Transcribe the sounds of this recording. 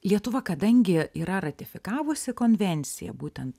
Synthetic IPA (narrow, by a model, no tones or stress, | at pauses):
lʲiɛt̪ʊʋɐkɐd̪ɐŋʲɡʲɪiːɾɐɾɐt̪ʲɪfʲɪkɑːʋʊsʲɪkoːnʲʋʲɛnʲt̪sʲɪ̰jɛ̰buːt̪ʲɛnt̪